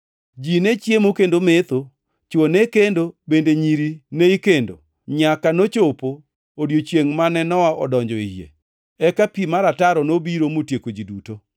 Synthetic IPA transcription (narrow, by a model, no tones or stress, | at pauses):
d͡ʒinet͡ʃjemokendomet̪o | t͡ʃwonekendobendeɲiɾineikendo̰ | ɲakanot͡ʃopoː | djot͡ʃjeŋmanɛnɔwaʔɔ̰dɔɲd͡ʒɔijḛ | ɛkapimaɾataɾɔnobiɾomotjekod͡ʒiduto